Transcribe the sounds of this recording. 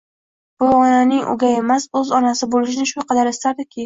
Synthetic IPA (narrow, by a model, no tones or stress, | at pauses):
b̥ʊɒnanɪŋʔʊ̰ɡʲae̞masɵzɒnasɪbolɪʃɪnɪʃʊqʰɑd̪aɾest̪aɾd̪ɪkʲʰɪ